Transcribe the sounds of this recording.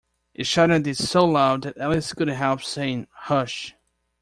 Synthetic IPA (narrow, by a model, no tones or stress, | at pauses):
ʔɨtʃʌɾədɨ̥soʊlaʊd̪̚ðɨɾɛlˠiskʊdⁿn̩t̚ɦɛlˠpsẽɪ̃nhʌʃ